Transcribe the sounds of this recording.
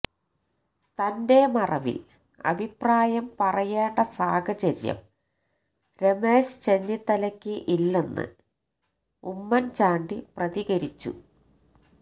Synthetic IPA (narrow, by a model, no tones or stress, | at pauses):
t̪ɐnde̞mɐrɐʋḭl | ɐ̰bʱipːraːjɐmpɐrɐjeːɳɖɐsaːkʰɐt͡ɕɐɾjɐ̰m | ɾe̞me̞ːɕɨ̥t͡ɕenːit̪ːɐlɐkʲːɨʔilːenːɨ̰ | umːɐnt͡ɕaːɳɖiprɐðiɣɐɾit͡ɕːṵ